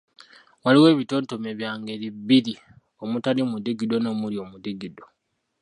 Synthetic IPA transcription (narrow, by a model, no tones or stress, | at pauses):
waliwe̞ːβito̞ːnto̞me̞βjaːŋɡe̞βibːiɾi | o̞mutalimudiɡido̞no̞ːmuljo̞ːmudiɡido